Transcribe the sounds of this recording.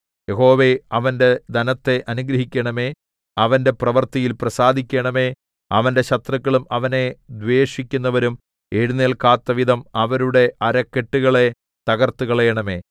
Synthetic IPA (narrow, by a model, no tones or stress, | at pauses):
jeɦo̞ːʋe̞ɐʋɐnde̞d̪ɐnɐt̪ːe̞ʔɐnuɡɾɐɦikʲːɐɳɐme̞ː | ɐʋɐnde̞prɐʋɐrt̪ɐjilprɐsaːd̪ʱikʲːɐɳɐme̞ː | ɐʋɐnde̞ɕɐt̪rɐkːɐɭumɐʋɐne̞d̪ʋeːʂikʲːunːɐʋɐɾum | eɻuneːɭkaːt̪ːɐʋid̪ʱɐmɐʋɐɾuɽe̞ʔɐɾɐkːeʈːuɣɐɭe̞ | t̪ɐɣɐrt̪uɣɐɭejɐɳɐme̞ː